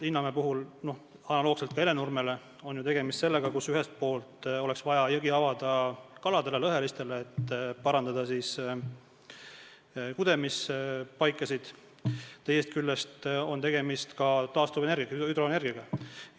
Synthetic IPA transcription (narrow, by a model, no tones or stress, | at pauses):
inːɑmepuɦulno̞h | ɑnɑloːɡ̥selt̪̚kɑe̞le̞nurme̞le̞ | o̞njut̪e̞ɡe̞mist̪se̞lːe̞ɡ̥ɑkusyɦest̪̚po̞ːlt̪ˑo̞le̞ksvɑjɑjɤɡiɑvɑd̪̥ɑkɑlɑd̪e̞lelɤɦe̞list̪e̞leːt̪ːpɑɾɑnd̪ɑd̪̥ɑsiːs | kud̪e̞mispɑjkːˑɑsid̪̥ | t̪e̞je̞st̪̚kylːest̪o̞nt̪eɡ̥e̞mist̪kɑt̪ɑːst̪uvene̞rɡiyd̪̥ɾoene̞rɡiɑɡ̥ɑ